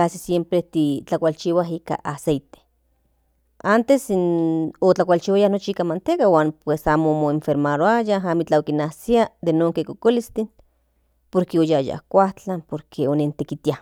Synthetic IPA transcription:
asisjempɾet̪it͡ɬakʷalt͡ʃiwaɦika̰ʔasejt̪e̥ | ant̪esinot͡ɬakʷalt͡ʃiwajanot͡ʃiikamant̪ekawaːnpwesaːmomoeɱfeɾmaɾoajaɦamit͡ɬaokinasiad̪enoːŋkekokolist̪in | poɾkeojaja̰hkʷaht͡ɬanpoɾkʰeonent̪ekit̪ia

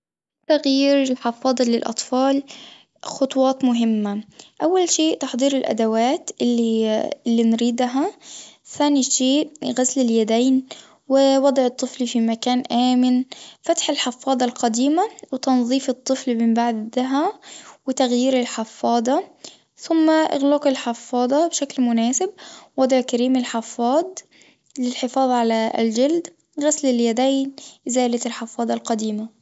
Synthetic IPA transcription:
t̪aɣjiːɾɪlħɪfɑːd̪ˤɑlɪlʔɑ̰t̪ˤfɑːl | xʊt̪ˤwɑːt̪mʊɦɪmːaʔawːalʃeːʔt̪ɑħd̪ˤiːɾɪlʔa̰d̪awaːt̪ʔɪlːiɪlːinɾiːd̪ɦaθaːniʃeːʔɣaslɪljad̪aːn | wɪwɑd̪ˤʕɨt̪ˤːɨflfimakaːnʔaːmɪnfat̪ħɪlħɪfːɑːðˤɑlqɑd̪iːmawɪt̪ɑnðˤiːfɨt̪ˤːɨflmɪmbaʕd̪ɦawɪt̪aɣjiːɾɪlħɪfːɑːd̪ˤɑ | θʊmːaʔɪ̰ɣlɑqɪlħɑfːɑːd̪ˤɑbʃaklmʊnaːsɪb̚wɑd̪ˤʕkaɾiːmɪlħɑfːɑːd̪ˤ | lɪlħɪfɑːðˤʕala̰ld͡ʒald̪ | ɣaslɪljad̪ajnʔɪzaːlat̪ɪlħɑfːɑːd̪ˤɑlqɑd̪iːma

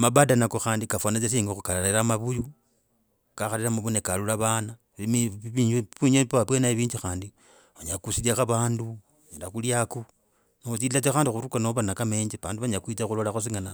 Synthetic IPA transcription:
mabadanakoxaːndikafwanat͡ʃes̬iːŋɡoxukalaleɾamaβuju | kaxaleɾamaβunekalulaβana | iβuɲepaapwenaiβiːɲd͡ʒixaːndi | βaɲakusiljaxaβaːndu | aɲalaxuljaku | nexut͡siilat͡sexaːndixuɾukanoβanakame̞ːɲd͡ʒiβa̰ːnduβaɲakwit͡saxulolaxos̬iŋɡana

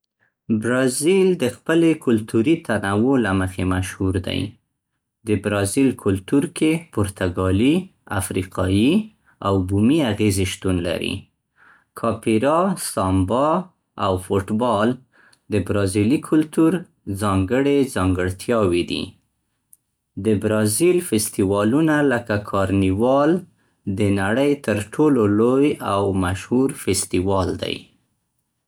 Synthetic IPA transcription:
bɾɑzild̪əxpəlekʊlt̪uɾit̪ʰanawolaməxemaʃhuɾd̪a̰j | d̪əbɾɑzilkʰʊlt̪uɾkepʊɾt̪ʰaɡɑlia̰fɾiqɑji | awbumiaɣezeʃt̪unla̰ɾḭ | kʰɑpiɾɑst̪ɑmbɑ | awfʊʈbɑl | d̪əbɾɑzilikʰʊlt̪uɾ | zɑŋɡəɽezɑŋɡəɽt̪ʰjɑwid̪ḭ | d̪əbɾɑzilfɪst̪iwɑlunaləkakʰɑɾniwɑl | d̪ənaɽəjt̪əɾʈʰololojawmaʃhuɾfɪst̪iwɑld̪a̰j

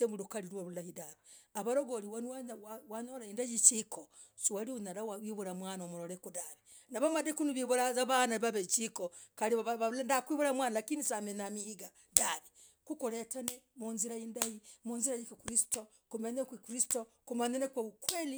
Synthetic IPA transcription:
emulukaɾiɾwoɾulahidaβiaβaɾoɡoɾiwanwawwaɲoɾaindajit͡ʃiko | suwaliunaɾawawiβuɾamwanomuɾoɾekudaβi | naβamadekunuβiβuɾazaβanaiβaβet͡ʃikokaɾiββandakwiβuɾamwanalakinisamenamihiɡa | daβi | kukuɾetanemunziɾaindajimunziɾajikokɾisi̥to | kumeɲekwikɾistokumaɲenekweβukweli

